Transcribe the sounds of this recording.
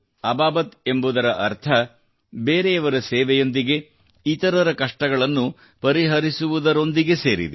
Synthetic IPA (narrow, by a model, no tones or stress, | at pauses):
ɐbaːbɐt̪e̞mbud̪ɐɾɐʔɐɾt̪ʰɐ | beːɾeɐʋɐɾɐseːʋɛjo̞nd̪iɡe̞ | it̪ɐɾɐɾɐkɐʂʈɐɡɐɭɐnːu | pɐɾiɦɐɾisuʋud̪ɐɾo̞nd̪iɡe̞se̞ːɾḭd̪e